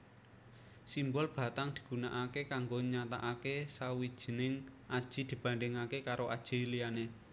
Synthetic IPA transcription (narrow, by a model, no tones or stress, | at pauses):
simbɔlb̥ä̤t̪aŋd̪̥i̤̥ɡ̥unaʔakekaŋɡoɲat̪aʔakesawid̥ʒ̥i̤nɪŋʔad̥ʒ̥i̤d̪̥i̤b̥a̤nɖɪŋakekaɾoʔa̰d̥ʒ̥i̤liane